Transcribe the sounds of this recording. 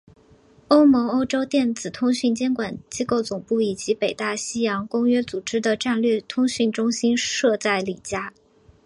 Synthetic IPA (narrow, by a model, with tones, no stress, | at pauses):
o˥ʊmɔ˧˥ŋo˥ʊʈ͡ʂo˥ʊt̪jɛ˥˩nt͡sɹ̩˨˩t̪ʰʊ˥ŋɕy˥˩nt͡ɕjɛ˥nkwa˨˩nt͡ɕi˥ko˥˩ʊt͡sʊ˨˩ŋpu˥˩i˨˩t͡ɕi˧˥pe˨˩ɪt̪a˥˩ɕi˥jɑ˧˥ŋkʊ˥ŋɥɛ˥t͡su˨˩ʈ͡ʂɻ̩˥d̪ə˨ʈ͡ʂa˥˧nlɥɛ˥˩t̪ʰʊ˥ŋɕy˥˩nʈ͡ʂʊ˥ŋɕi˥nʂɤ˥˧t͡sa˥˩ɪli˨˩t͡ɕja˥